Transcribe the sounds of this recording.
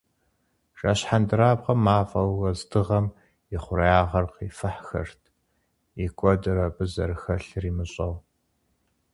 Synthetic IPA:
ʃʼaːɕħandɨɾaːbqɐmːaːfʼɐwwɐzdɨʁɐm | jɪχʷʊɾɐjaːʁɐrqiːfɨħxɐ̰rtʰ | ikʷʼɔdɨɾɐbʼɨzɐrxɐɬriːmɨɕʼɐw

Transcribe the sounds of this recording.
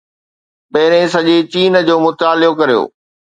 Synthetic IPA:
pɐːɾẽs̬ɐʄet͡ɕiːn̆d͡ʑoːmʊt̪aːlɪjokɐɾijo̰ː

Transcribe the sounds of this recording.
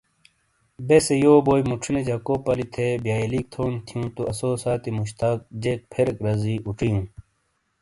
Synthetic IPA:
besejoːboːjmuʈ͡ʂʰined͡ʑɐkoːpɐlit̪ʰebjaːiliːk̚t̪ʰoːnt̪ʰijũt̪uʔɐsoːsaːt̪imuɕt̪aːk̚d͡ʑek̚pʰeɾkɾɐziːʔuʈ͡ʂijũː

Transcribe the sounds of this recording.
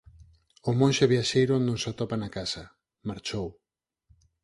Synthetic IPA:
ʊmõnʃeβjaʃejɾʊnnõŋsat̪opanakasa | maɾt͡ʃow

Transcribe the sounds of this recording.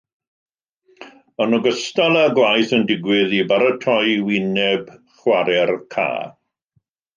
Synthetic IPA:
ənɔɡəstalˠaɡlˠajθəndɪɡwɪðibaɾətʰɔjwɪnɛb | χwaɾɛrkʰa̰ː

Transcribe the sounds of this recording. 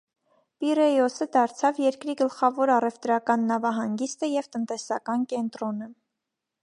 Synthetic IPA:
pirɛjɔsəd̪ɑɾt͡sʰɑvjɛɾkɾiɡəlχɑvɔɾɑrɛvt̪ɾɑkɑnːɑvɑɦɑŋɡist̪əjɛvt̪ənt̪ɛsɑkɑnkɛnt̪ɾɔnə

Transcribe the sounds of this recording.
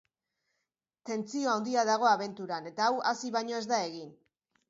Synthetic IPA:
t̪e̞nt͡sio̞awnd̪iaðaɣ̞o̞aβe̞nt̪uɾane̞t̪aːwasiβajɲo̞e̞zd̪ae̞ɣin

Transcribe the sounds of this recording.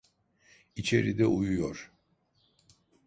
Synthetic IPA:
it͡ʃʰe̞ɾid̪ɛʔujujoɾ̥

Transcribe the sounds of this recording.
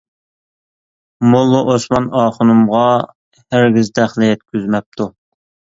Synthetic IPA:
molˠːuʔosmɑnɑːχʊnumʁɑ | hæɾɡʲizt̪ʰæχlɪjɛt̪kʲyzmɛp̚t̪ʰu

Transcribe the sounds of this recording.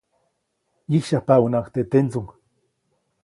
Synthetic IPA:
jihʃahpaunakt̪et̪ent͡suŋ

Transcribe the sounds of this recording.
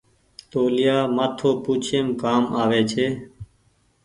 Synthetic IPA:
t̪oːlɪjaːmaːt̪ʰoːpuːt͡ʃʰeːmkaːmaːʋeːt͡ʃʰeː

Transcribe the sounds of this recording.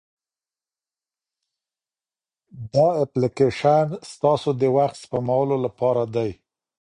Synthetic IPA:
d̪ɑaplɪkeʃanst̪ɑsod̪əwaxt̪spamawəlolapɑɾad̪aj

